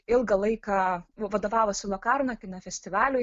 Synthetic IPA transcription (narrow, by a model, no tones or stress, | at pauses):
ɪlˠɡɐlˠɐɪkɑʋɐd̪oːʋɑːʋosʲɪlˠoːkɑrnɐkʲɪnɐfʲɛsʲt̪ʲɪʋɑːlʲʊ